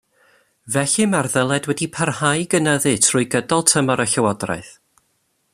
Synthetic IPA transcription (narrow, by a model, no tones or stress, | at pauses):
vɛɬɨmarðəlˠɛdwɛdipʰərhajɡənəðɨtʰrʊːjɡədɔlˠtʰəmɔɾəɬəwɔdra̰ɨθ